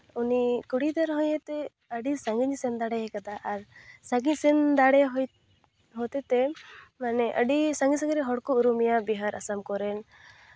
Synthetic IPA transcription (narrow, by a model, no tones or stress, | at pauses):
unikuɽid̪aɾɦɔ̃jɛt̪ɛ | əɖisaŋɡiɲsɛnd̪aɽɛɦɛkad̪aʔaɾsaɡisɛnd̪aɽɛɦ | ɦɔt̪ɛt̪ɛmanɛʔə̰ɖisãŋɡisaŋɡiɾɛɦɔɽkɔuɾumijabiɦaɾa̰samkɔɾɛn